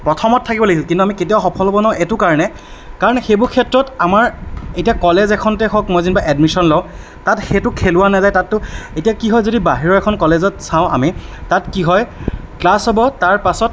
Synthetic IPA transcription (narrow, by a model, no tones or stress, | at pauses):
pɹɔtʰɔmɔtʰːakibɔleɡilkintuamiketiawxɔpʰɔlɔbɔnaʊ̃ʔɛtʊkaɹnɛ | kaɹɔnɛxejbʊɹkʰɛtɹɔtamaɹetijakɔlezɛkʰɔntɛxɔkmɔjzinbaʔɛdmisɔnlɔʊ̃ | tatxetʊkʰelʊwanazajtatːʊetijakiɦɔjzodibaɦiɹɔɛkʰɔnkɔlezɔtsãʊ̃a̰mitatkiɦɔjklasɔbɔtaɹpasɔt̚